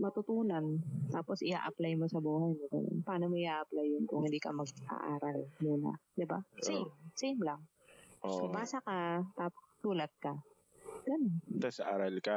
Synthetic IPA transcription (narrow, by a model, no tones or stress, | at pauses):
mɐt̪ʊt̪uːnɐnt̪aːposʔɪʔa̰ːʔɐplajmosɐbuːhɐjmoɡɐ̰no̰npaːnomoɪʔaːʔɐplajːʊnkʊ̰ŋhɪnd̪iːkɐ̰mɐɡ̚ʔa̰ʔa̰ːɾɐlmuːnɐ̰d̪ɪba̰sijmsajmlaŋ | ʔoɐbaːsɐkat̪aːpo̥sːuːlɐt̪̚kɐ | ɡ̥ɐnont̪ɐsʔa̰ːɾɐlkɐ